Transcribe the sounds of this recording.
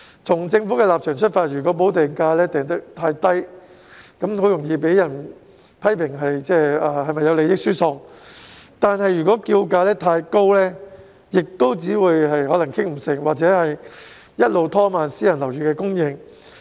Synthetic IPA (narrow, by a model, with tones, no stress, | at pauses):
t͡sʰʊ˨˩ŋt͡sɪ˧ŋfuː˨˥kɛː˧laː˨p̚t͡ʃʰœː˨˩ŋt͡ʃʰɵ˥t̚faː˧t̚jyː˨˩kɔː˨˥p̬o˨˥wt̪ɛː˨˩ŋkaː˧lɛː˥t̪ɛː˨ŋt̪ɐ˥k̚t̪ʰaː˧jt̪ɐ˥j | kɐ˨˥mho˨˥wjʊ˨˩ŋjiː˧p̬e˨˥jjɐ˨˩n | pʰɐ˥jpʰɪ˨˩ŋɦɐ˨jt͡sɛː˥aː˨hɐ˨jmɐ˨jːɐ˨˧wle˨˧jɪ˥k̚syː˥sʊ˧˩ŋ | t̪aː˨nɦɐ˨jːy˨˩kɔː˨˥kiː˧wkaː˧lɛː˥t̪ʰaː˧jko˥wlɛː˥ | jɪ˨k̚t̪o˥wt͡siː˨˥wuː˨˧jhɐ˨jhɔː˨˥lɐ˨˩ŋkʰɪ˥ŋm̩˨˩sɪ˨˩ŋwaː˨k̚t͡sɛː˨˥hɐ˨j | jɐ˥t̚lo˨wt̪ʰɔː˥maː˨nsiː˨˥jɐ˨˩nlɐ˨˩wjyː˨kɛː˧kʊ˥ŋjɪ˧ŋ